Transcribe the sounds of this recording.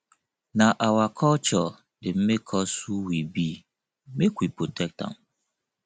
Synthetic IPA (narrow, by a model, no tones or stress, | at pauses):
nãʔawakʰɔlt͡ʃɔ | dɪm̩mekʰɔsuwibi | mekʷipɾotʰɛk̚tã̰n